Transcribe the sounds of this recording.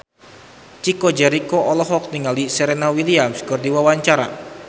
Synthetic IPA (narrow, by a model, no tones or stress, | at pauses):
t͡ʃikod͡ʒɛɾikoʔɔlɔɦɔk̚niŋalisɛɾenawiliamskɔrdiwawaɲt͡ʃaɾa̰